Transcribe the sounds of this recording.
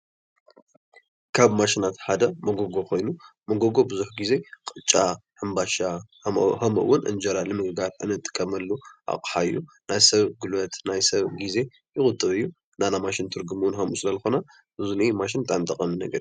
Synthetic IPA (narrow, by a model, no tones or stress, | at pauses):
kʰaβmaʃɪnat̪ħad̪ɐmɐɡoɡo̞kʰo̞jnumɐɡoɡo̞bɨzuħɡize̞kʼɨt͡ʃʼːahɨmbaʃa | hɐmɨ̰ʔwːʊnʔɨ̰nd͡ʒɐɾalɨmɨɡɨɡaɾʔɨ̰nɨt̪ʼːɨ̥kʼːɐmɐlːuʔa̰kʼħaɨjːu | najsɐβɡɨlɐt̪najsɐβɡize̞ | jɪɣʼʊt̪ʼɨβɨjːu | nanamaʃɪnt̪ʰɨɾɡɨmwnhɐmusɨlɐlɨxona | ʔɨzunimaʃ̬ɪnt̪ʼamt̪ʰɐχʼɐminɐɡɐɾi